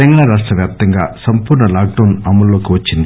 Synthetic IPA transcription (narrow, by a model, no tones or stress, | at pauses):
ɐŋɡɐɭaːɾaːʂʈrɐʋjaːp̚t̪ɐŋɡa̰ːsɐmpuːɾɳɐlaːk̚ɖɐwnɐmːɐlloːkuʋɐt͡ʃːind̪i